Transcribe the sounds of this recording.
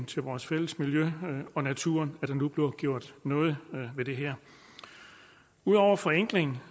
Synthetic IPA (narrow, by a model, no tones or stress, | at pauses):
nt͡sʰe̝lʋɒːsfel̰əsmiljøɒ̽næt͡sʰuɐnæd̥ænːub̥le̝ɐɡ̥jo̝ɐ̰d̥nɔ̽ːð̞̩ˠʋe̝d̥e̝ɦɛɐ̰ | uðˠɒʊ̰ɐfɒ̽eŋ̰ɡ̥le̝ŋn̩